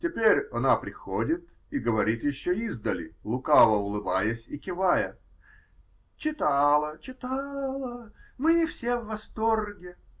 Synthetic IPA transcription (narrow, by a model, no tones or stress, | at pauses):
tʲɪpʲeɾʲɐnapɾʲɪxodʲɪt̪ | iɡəvɐɾʲit̪jɪɕːoizd̪əlʲɪ̰lˠʊkalˠəʊlˠɨbajəsʲɪkʲɪvajə | t͡ɕɪt̪alˠət͡ɕɪt̪alˠəmɨɪfsʲevːɐst̪orɡʲɪ